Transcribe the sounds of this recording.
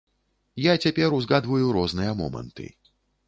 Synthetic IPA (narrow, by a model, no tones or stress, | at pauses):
jat͡sʲapʲɛɾuzɣad̪vɐjuɾɔznɨjɐmɔ̰mɐ̰nt̪ɨ̰